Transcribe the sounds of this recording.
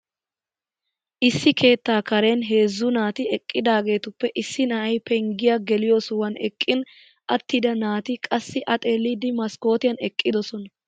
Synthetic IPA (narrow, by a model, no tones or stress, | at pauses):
ʔɪsːɪkʰe̞ːt̪ːaːkɐɾenɦe̞ːzːʊnaːt̪ɪɛkʼːɪd̪aːɡe̞ːt̪ʊpːɛʔɪsːɪnɐʔɐjpɛŋɡɪjaɡɛlɪjo̞ːsʊwɐnɛkʼːɪn | ʔɐt̪ːid̪ɐnaːt̪ɪkʼɐsːɪʔɐt̪ʼeːlːiːd̪ɪmɐsko̞ːt̪ɪjɐnɛkʼːɪd̪ɔsɔnɐ